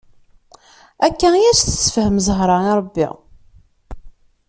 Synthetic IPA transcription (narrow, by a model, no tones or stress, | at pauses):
ækːæjæsθə̥t͡sːfəhəmzəɦɾˤɑɪɾˤəbːḭ